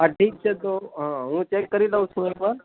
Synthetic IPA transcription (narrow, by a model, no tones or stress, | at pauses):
aʈʰiːk̚t͡ʃʰet̪oɦãɦũt͡ʃekːəɾilaũt͡ʃʰũekʋal